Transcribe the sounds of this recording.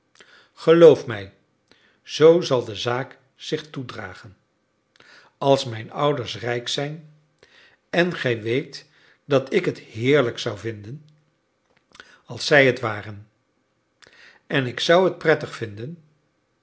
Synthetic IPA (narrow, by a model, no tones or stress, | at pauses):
χəlowfmɛj | z̥owzɑlˠdəzaːk | z̥ɪχtudra̰ːχən | ɑlˠsmɛjnʌwdəɹsrɛjksɛjn | ɛnχɛjʋejt | dɑtɪkɦətɦɪːɹləksʌwvɪndən | ɑlˠsɛjɦətʋaːrən | ɛnɪksɑwɦət̚prɛtəχfɪndən